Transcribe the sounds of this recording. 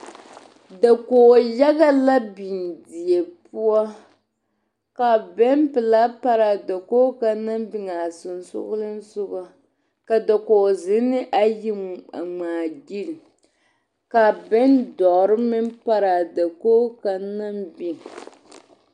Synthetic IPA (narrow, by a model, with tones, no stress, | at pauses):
da˨koː˨ja˦ɣa˦la˦bi˨ndi˨e˨pu˦ɔ˦ | ka˨bɛ˦mpɨ˨la˦pa˦ɾa˨da˨koː˦ka˦na˦mbi˨ŋa˨sʊ˨n˨sʊ̰˦ɣʊ˦lɨ˦n˦sʊ˦ɡa˦ | ka˨da˨ko˨zɪ˦nɨ˦ʔa˦ji˦m˨a̰˨ŋ͡maː˨ɡi˦l | ka˨bɛ˦ndɔ˨ɾɨ˦mɪ˦mpa˦ɾa˨da˨koː˦ka˨na˦mbi˨ŋ